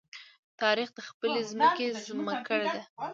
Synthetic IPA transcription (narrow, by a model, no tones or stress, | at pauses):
t̪ɑɾixd̪əxpəlezməkezuməkəɽed̪a